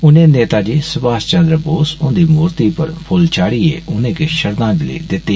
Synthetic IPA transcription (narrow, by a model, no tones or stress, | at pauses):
ʊnẽːneːt̪aːd͡ʒiːsəbaːst͡ʃə̃nd̪ɾəboːsʊ̃nd̪iːmuːɾt̪iːpəɾpʰʊlt͡ʃaːɽiːḛːʔʊnẽːkeʃəɾd̪ãːd͡ʒɪlḛːd̪ɪt̪ːeː